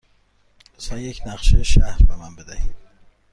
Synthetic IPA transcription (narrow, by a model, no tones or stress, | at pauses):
saŋekʲnaχʃɪʃahɾmamanbɪd̪aj